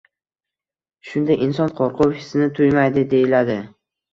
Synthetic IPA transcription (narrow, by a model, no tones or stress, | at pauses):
ʃʊnd̪ajʔɪnsɒnqʰɒɾqʰofɪsɪnɪt̪ʰʊjmajd̪ɪd̪e̞jɪlad̪ɪ